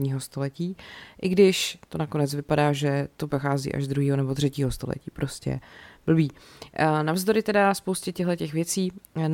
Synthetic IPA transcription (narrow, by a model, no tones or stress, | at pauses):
ɲiːɦo̞st̪o̞lɛciːʔɪɡdɪʃt̪onako̞nɛt͡svɪpadaːʒɛt̪o̞pɾoxaːzḭːʔa̰ʒzd̪ɾuɦiːɦonɛbot̪r̥ɛciːɦo̞st̪o̞lɛ̰cḭːpɾo̞scɛ̰b̥l̩biː | navzd̪o̞ɾɪt̪ɛdaspowscɛcɛɦlɛcɛxvjɛt͡siːn